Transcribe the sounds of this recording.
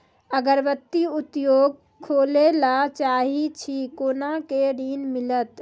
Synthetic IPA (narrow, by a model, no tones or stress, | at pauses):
əɡəɾʋət̪ːiut̪joːɡ̚ | kʰːolelat͡ʃaːɦit͡ʃʰikoːnakeɖiːnmilət̪